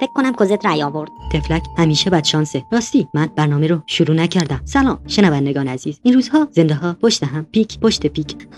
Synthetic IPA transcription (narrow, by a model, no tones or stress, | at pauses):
fekʰːonæmkʰozet̪ɾæjɒːvo̞ɾd̪̥t̪ʰe̞flæcʰhæmiːʃebæd̪ʃɒːnseɾɒːst̪iːmænb̥æɾnɒːmeɾoʃoɾuːnæcʰæɾd̪æmsælɒːmmʃe̞nævænd̪eɡɒːneæziːz̥inɾuːzhɒːz̥e̞nd̪eɦɒːpʰoʃt̪eɦæmpiːcʰpʰoʃt̪ʰepiːcʰ